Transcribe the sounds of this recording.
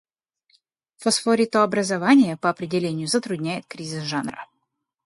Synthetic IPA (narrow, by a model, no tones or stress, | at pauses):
fɔsfoɾʲɪt̪oɐbɾəzɐvanʲɪjəpəɐpɾʲɪdʲɪlʲenʲɪjʊzət̪ɾʊdʲnʲæjɪt̪kɾʲizʲɪsʐanrə̰